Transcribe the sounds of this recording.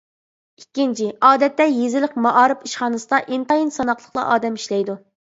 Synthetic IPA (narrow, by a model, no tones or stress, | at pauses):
ikʲːint͡ʃʰɪɑːd̪ɛt̪ːɛjezɪlɪqmɑʔɑːɾɨpiʃχɑːnɨsɨd̪ɑʔint̪ɑjinsɑnɑqlˠəχlˠɑ̰ʔɑːd̪ɛmiʃlɛjd̪u